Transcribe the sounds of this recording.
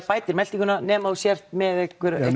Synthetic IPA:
paːjt̪ɪɾmɛlt̪iŋkʏnanɛːmausjɛr̥t̪mɛðɛhkʏɾɛ̰

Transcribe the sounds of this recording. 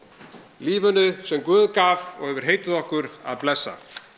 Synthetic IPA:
liːvʏnʏsɛmkvʏːðkaːvɔ̰ɣhɛvʏɾ̥ɦeːjt̪ɪðɔhkʏɾa̰ðplɛsːa̰

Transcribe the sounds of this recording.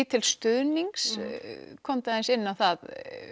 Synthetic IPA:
t̪ʰɪlst̪ʏðniŋkskʰɔmt̪aðɪnsɪnːawθað

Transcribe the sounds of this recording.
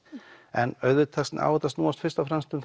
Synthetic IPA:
ɛnœɥðvʏt̪ʰɛkst̪na̰ːwɛt̪ast̪nuːast̪fɪ̥ɾst̪afɾanst̪ʏmθ

